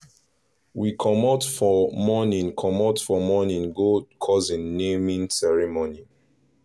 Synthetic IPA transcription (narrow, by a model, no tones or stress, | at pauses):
wikʰɔmɔdfɔmɔnĩŋkʰɔmɔdfɔmɔnĩŋɡokʰɔzĩnːemĩnsɛɹimoni